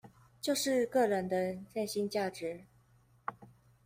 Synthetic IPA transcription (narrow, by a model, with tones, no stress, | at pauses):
t͡ɕjo˥˧ʊʂɻ̩˥˧kɤ˥˩ɻə˧˥nd̪ə˧ʈ͡ʂa˥˩nɕi˥nt͡ɕja˥˩ʈ͡ʂɻ̩˧˥˦